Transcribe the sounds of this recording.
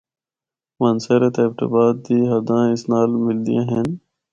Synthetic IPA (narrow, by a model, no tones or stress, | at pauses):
mənseɾet̪ebʈə̰baːd̪̚ːiːɦɐd̪ãːɪsnaːlmɪld̪ḭjãːɦen